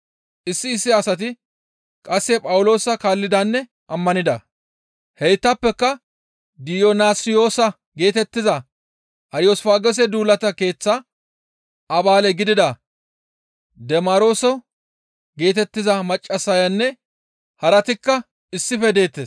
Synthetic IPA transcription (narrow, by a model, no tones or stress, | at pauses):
ʔɪsːɪːsːɪɐsɐt̪̬ɪ | kʼɐsːɛpʼɐwʊlo̞ːsɐkaːlːɪd̪ɐnːɛ | ʔɐmːɐnɪd̪ɐ | hɛjt̪ːɐpːɛkːɐ | d̪ɪjonaːsɪjo̞ːsɐ | ɡe̞ːt̪ɛt̪ːɪzɐ | ʔɐɾjoːsfaːɡɛs̬ɛd̪uːlːɐt̪ɐke̞ːt͡sːɐ | ʔɐbaːlɛɡɪd̪ɪd̪ɐ | d̪ɛmaːɾo̞ːsɔ | ɡe̞ːt̪ɛt̪ːɪzɐmɐt͡ʃʼːɐsːɐjɐnːɛ | hɐɾɐt̪ɪkːɐ | ɪsːɪfɛd̪e̞ːt̪ːeːs